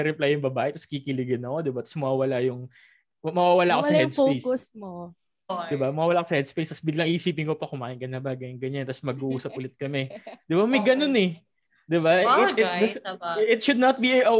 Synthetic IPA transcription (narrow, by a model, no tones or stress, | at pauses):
ɛɾɛplajʊŋbɐbaːʔɛt̪ɐskikɪlɪɡɪnɐko̞d̪ɪbat̪ɐ̥smɐwaːwɐlajʊŋ | mɐwaːwɐlaʔkosɐhɛd̪sfoejsʊsmo | d̪ɪbamɐwaːwɐlaːkosɐhɛd̪spejst̪ɐsbɪɡlɐŋʔiʔɪsiːpɪnko̞pɐkʊmaːʔɪnŋkɐnɐbaːɡɐŋɡɐɲant̪ɐsmɐɡuʔuːsɐp̚ʔʊlɪt̪̚kɐmɛd̪̥ɪbamɐjɡɐno̞nɛ | d̪ɪbaɪɪdɐɪt̪̚ʃʊd̪̚nɐt̪̚biɐʔɐ